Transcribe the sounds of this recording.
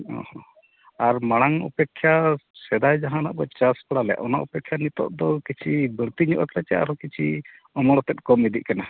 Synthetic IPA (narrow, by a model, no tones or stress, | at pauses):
ɔ̰hɔ̃ | aɾmaɽ̃aŋṵpɛkʰːjasɛd̪ajd͡ʒaɦana̰ʔbɔt͡ʃaspaɽalɛja̰ʔɔna̰ʔṵpɛkʰːjanit̪ɔ̰ʔ̚d̪ɔkit͡ʃʰibəɾt̪iɲɔʔkɾat͡ʃɛa̰ɾɔkit͡ʃʰi | ɔmɔɽɔt̪ɛt̪̚kɔmid̪iʔkana